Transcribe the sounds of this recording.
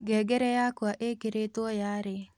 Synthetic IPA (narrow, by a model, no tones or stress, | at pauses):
ɡɛɡeɾejakwaʔekeɾet̪wɔjaɾe